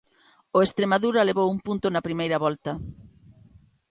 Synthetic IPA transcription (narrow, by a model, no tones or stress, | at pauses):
oest̪ɾemaðuɾɐleβowumpunt̪ʊnɐpɾimejɾɐβɔlt̪ɐ